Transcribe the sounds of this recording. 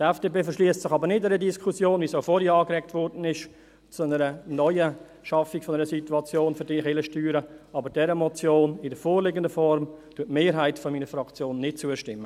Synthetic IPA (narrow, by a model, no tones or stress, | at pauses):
d̥ɛfd̥eːbeːfəʃliəst͡sɪχɑbəɾnɪdɛɾədiskʰusjoːnvisoʊfɔɾhiɑːkɾɛktʋɔɾdn̩ɪʃ | t͡sunəɾənɔʏə | ʃɑfikfɔnɛɾəsituɑt͡sjoːnfʏɾdiːχɪləʃtyːɾəɑbəɾd̥ɛɾəmɔt͡sjoːnɪdəfoːɾlɪːɡəndəfɔɾmtuətmeːɾɦaɪtfɔmiːnəfɾɑkt͡sjoːnːɪt̚t͡suəʃtɪmːə